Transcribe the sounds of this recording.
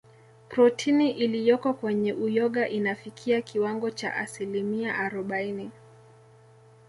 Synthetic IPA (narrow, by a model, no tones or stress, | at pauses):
pɾɔtʰiniʔilijɔkɔkwɛɲɛʔujɔɠaʔinafikʰiakiwaŋɡɔt͡ʃa̰ʔasilimiaʔaɾɔɓaini